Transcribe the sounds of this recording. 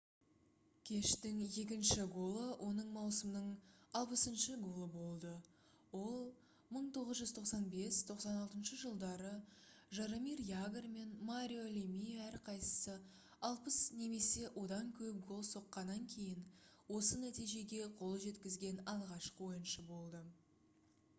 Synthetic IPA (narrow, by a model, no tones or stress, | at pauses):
kʲʰe̞ʃt̪ɪŋje̞kʲɪnʃɪɡo̞lˠəwʔo̞nəɴmɑwsəmnəɴɑlˠpəsənʃəɡo̞lˠəbo̞lˠd̪ə | wo̞lˠ | məɴt̪ʰo̞ʁəzʒʏzt̪ʰo̞qsɑnbe̞st̪ʰo̞qsɑnɑlˠt̪ənʃəʒəlˠd̪ɑɾəʒɑɾomirjaɡrme̞nmaɾʲio̞lʲemijæɾqʰɑjsə̥sə | ɑlˠpəsne̞me̞se̞ʔwʔo̞d̪ɑŋkʲʰɵp̚ɡo̞lˠso̞qːɑnːɑŋkʲʰe̞jɪnwo̞sənæt̪ijʒe̞ɡʲe̞qʰo̞lˠʒe̞t̪kʲɪzɡʲe̞nɑlˠʁɑʃqəwo̞jənʃəbo̞lˠd̪ə